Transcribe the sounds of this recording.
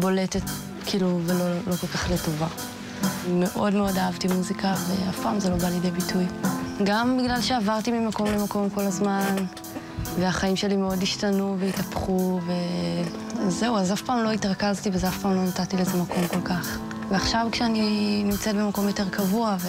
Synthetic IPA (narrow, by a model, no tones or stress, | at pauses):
bo̞lete̞t | kʰiːluvelolo̞ko̞lkaχleto̞va | me̞ʔo̞dmeo̞daavtimuzikave̞afpaːmzelo̞baljedejbitʰujɡambiɡlalʃe̞avaʁtimimako̞mle̞mako̞mko̞lazman | ve̞aχaimʃe̞limeo̞diʃtanuveitapχuve̞ | azːe̞uazafpaːmloitʁakaztivezeafpaːmlo̞natatileezemako̞mko̞lkaχ | veaχʃavkʃeaninimt͡set̚be̞mako̞mjo̞te̞ʁkavuave